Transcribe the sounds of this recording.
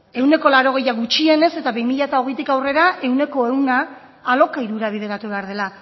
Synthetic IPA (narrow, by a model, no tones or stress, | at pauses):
e̞wne̞ko̞laɾo̞ɣ̞e̞jaɣut͡ʃie̞ne̞se̞t̪aβejmiʎat̪ao̞ɣejt̪ikawre̞ɾaʔe̞wne̞ko̞e̞wnaː | lo̞kaiɾuɾaβ̞iðe̞ɾat̪uβe̞aɾð̞e̞la